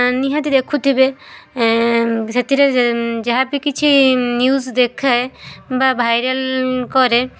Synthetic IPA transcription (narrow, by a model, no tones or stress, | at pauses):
niɦãt̪id̪ekʰut̪ʰibe | set̪iɾed͡ʒaɦapikit͡ʃʰinjuzd̪ekʰːaebabʱajɾelkɔɾe